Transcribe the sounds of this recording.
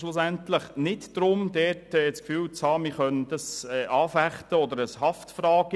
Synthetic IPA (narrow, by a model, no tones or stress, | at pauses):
ʃlʊsæntləχnɪtd̥ɾʊmd̪ɛtɛt͡skfyːwt͡shɑːmɪχœndɑsɛːʔɑːfæχtəɔd̪əɾəshɑftfɾɑːɡ̥ə